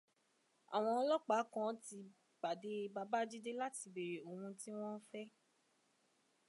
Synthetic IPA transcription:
a̰˨w̃ɔ̃˧ɔ˧lɔ˦k͡pa˨˦kɔ̃˦ti˧ | ba˨de˧˦˧ba˧˦ba˦d͡ʒi˦de˦la˦ti˧be˨ɾe˨o˨wũ˧ti˦w̃ɔ̃˦fɛ˦

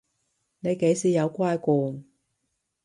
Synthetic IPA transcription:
ne˨˧jke˨˧˥jsiː˨jɐ˨˧wkʷaː˥jkɔː˨˧n

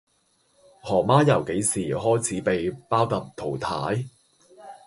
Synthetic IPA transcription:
hɔː˨˩maː˥jɐ˨˩wke˨˥jsiː˨˩ɦɔː˥jt͡sʰiː˨˥pe˨jpaː˥wt̪ɐ˨p̚t̪ʰo˨˩wt̪ʰaː˨˥j

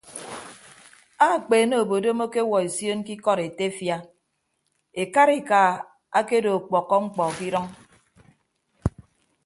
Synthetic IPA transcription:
a˦˨k͡peː˨no˦˨o˨bo˨do˦mo˦ke˦wɔ˨e˨sjo˦nki˦kɔ˦ɾe˨te˦fja˦ | e˨ka˦ɾi˨ka˨ | a˦ke˦do˨k͡pɔ˨kːɔ˦ŋ͡m̩˦k͡pɔ˨ki˦ɾɔ˦ŋ

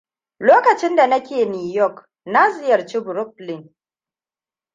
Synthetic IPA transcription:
loː˦kɐ˨t͡ʃɪ˦nda˨nɐ˦kʲeː˨nuː˨jɔ˦˨k | na˦zɪ˦jɐ˨ɾt͡ʃi˦bʊ˨ɾʊ˦p̚lɪ˦˨ŋ

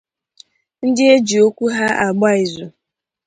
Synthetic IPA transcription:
n̩˦dɪ˦e˦d͡ʒi˨o˦kʷu˦ɦa˦a˨ɡ͡ba˦i˨zu˨

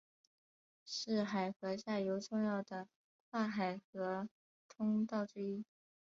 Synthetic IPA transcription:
ʂɻ̩˥˩xa˨˩ɪxɤ˧˥ɕja˥˩jo˧˥ʊʈ͡ʂʊ˥˧ŋjɑ˥˩ʊd̪ə˩ | kʰwa˥˩xa˨˩ɪxɤ˧˥ | t̪ʰʊ˥ŋt̪ɑ˥˧ʊʈ͡ʂɻ̩˥˧i˥

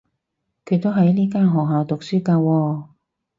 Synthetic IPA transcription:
kʰɵ˨˧ɥt̪o˥wɦɐ˨˥jliː˥kaː˥nɦɔː˨k̚ɦaː˨˧wt̪ʊ˨k̚syː˥kaː˧wɔː˧

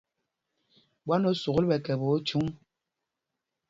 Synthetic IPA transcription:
ɓwa˦no˦su˨ɣlbɛ˨kɛ˨bo˨˦t͡ʃu˦ŋ

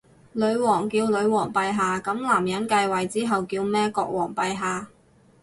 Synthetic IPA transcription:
lɵ˨˧ɥwɔː˨˩ŋkiː˧wlɵ˨˧ɥwɔː˨˩ŋpɐ˧jɦaː˧kɐ˨˥mlaː˨˩mjɐ˨˥nkɐ˧jwɐ˨˩jt͡siː˥ɦɐ˨wkiː˧wmɛː˥kɔː˧k̚wɔː˨˩ŋpɐ˧jɦaː˧

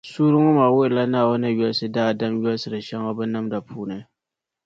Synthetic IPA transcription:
suː˦ɾɨ˦ŋɔ˦maː˨wʊ˦ʔɪ˨la˦naː˦˨wɔ˦nɨ˦jɔ˦lsɨ˦daː˦˨da˦mjɔ˦lsɨ˨ɾɨ˨ʃɛ˦ŋɔ˦bɨ˦na˦mda˨pʰuː˦nɨ˨˦

